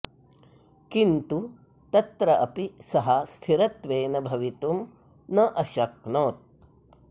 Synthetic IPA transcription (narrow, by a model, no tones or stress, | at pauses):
kint̪u | t̪ɐt̪ɾɐʔɐpisɐɦɐst̪ʰiɾɐt̪ʋeːnɐbʱɐʋit̪um | nɐʔɐʃɐk̚noːt̪̚